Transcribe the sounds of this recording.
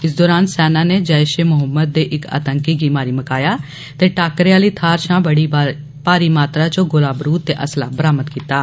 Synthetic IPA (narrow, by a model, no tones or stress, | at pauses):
ɪsd̪ɔːɾaːnsɛːnãːneːd͡ʒəːɪʃeːmʊɦəmːəd̪̚ːeːʔɪka̰t̪əŋkiːɡiːmaːɾiːməkaːjaː | t̪eːʈaːkɾeaːləiːt̪ʰaːɾʃãːbəɽiː | paːɾiːmaːt̪ɾaːt͡ʃõːɡʊlaːbɾuːt̪̚t̪ːeːʔəsla̰ːbəɾaːmət̪kiːt̪aː